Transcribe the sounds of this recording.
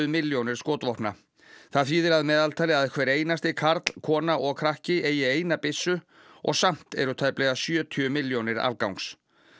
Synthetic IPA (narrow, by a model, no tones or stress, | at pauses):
ðmɪljownɪɾ̥skoːt̪vɔhpna | θaðfiːðɪɾaðmɛːðalt̪ʰaːlɪaðɛhkʰvɛːɾeːjnast̪ɪkʰaɾt̪l̥kʰɔːnaʔɔɣkʰɾahcɪeːjɪeːjnapɪsːʏ | ɔ̰ɣsam̥t̪ɛɾʏt̪ʰaːjplɛːɣasjœːt̪ʰʏʏmɪljownɪɾa̰lkawŋks